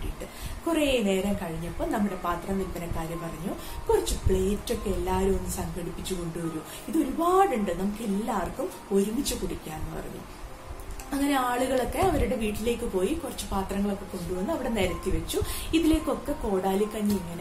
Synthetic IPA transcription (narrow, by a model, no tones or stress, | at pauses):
ʈːḭʈːɨ | kurejne̞ːɾɐmkɐɻiɲːɐpːo̞ːɭnɐmːuɽe̞paːt̪rɐmʋilb̪ɐnɐkːaːɾjɐpɐrɐɲːokurit͡ɕːɨpɭe̞ːtːo̞kːe̞elːaːɾumenːɨsɐŋɡɐɽipːit͡ɕːuko̞ɳɖuʋɐɾu | iðo̞ɾubaːɽuɳɖɨnɐmukːe̞lːaːrkum | o̞ɾuŋit͡ɕːukuɽikʲːaːenːɨpɐ̰rɐ̰ɲːṵ | ɐŋːɐne̞aːɭuɣɐɭo̞kːe̞ɐʋɐɾuɽe̞ʋiːʈːile̞ːkːɨpo̞ːjikurɐt͡ɕːɨpaːt̪rɐŋːɐɭo̞kːe̞ko̞ɳɖuʋɐnːuɐʋiɽe̞ne̞ːɾɐt̪ːiʋɐt͡ɕːuiðile̞ːkːo̞kːe̞ko̞ːɽaːlikːɐɲːiiŋːɐne